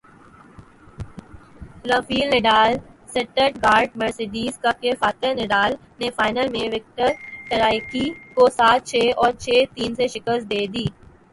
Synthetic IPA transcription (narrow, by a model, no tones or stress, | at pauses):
lɐ̃fiːlnɪɖaːlsɐʈəʈɡaːɾɖmɐɾseɖiːzkəp̚kefaːt̪ɪnɪɖaːl | nefaːɪnəlmẽʋɪk̚ʈəɾʈəɾaːɪkikosaːt̪̚t͡ʃʰeːɔːɾt͡ʃʰeːt̪iːnseʃɪkəst̪̚d̪eːd̪iː